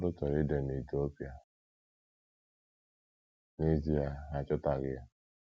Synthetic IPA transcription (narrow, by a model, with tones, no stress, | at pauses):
ɾʊ˦tɔ˨ɾɪ˦de˨ne˨to˦pi˨a˨ | ni˦zi˦a˨ɦa˨t͡ʃʊ˦ta˨ɣɪ˦a˦